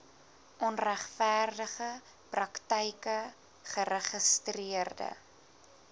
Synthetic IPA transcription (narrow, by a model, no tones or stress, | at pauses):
ʔɔnræχfæːrdəχə | prɐktəjkə | χəɾəχəstriərdə̰